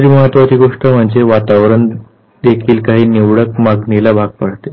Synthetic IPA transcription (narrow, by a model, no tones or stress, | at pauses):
d͡ʑiːməɦət̪ʋat͡ɕiːɡoʂʈəm̤əɳd͡zeʋat̪aʋɾəɳ | d̪ekʰiːlkaɦiːniʋɽək̚maɡnilabʱaɡ̚paɽ̤t̪e